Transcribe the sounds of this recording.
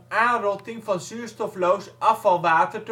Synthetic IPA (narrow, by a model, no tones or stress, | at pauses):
aːnrɔtɪŋvɑnzyːɹstɔflowsʔɑfɑlˠʋaːtərt